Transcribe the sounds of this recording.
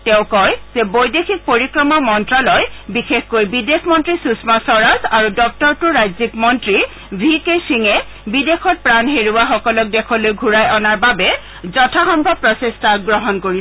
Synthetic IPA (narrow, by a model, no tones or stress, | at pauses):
tɛʊkɔjz̥ɛbojdexʰik̚poɹikɹɔmɔmɔntɹalɔjbixexkojbidexʰmɔntɹisusmasɔɹazaɹudɔk̚tɔɹtʊɹajzikmɔntɹi | bʱikesiŋɛ | bidexʰɔt̚pɹanɦeɹuwaxɔkɔlɔk̚dɛkʰɔlojɡʱuɹajʔɔnaɹbabɛ | zɔtʰaxɔmbʱɔpɹɔsestaɡɹɔɦɔnkoɹi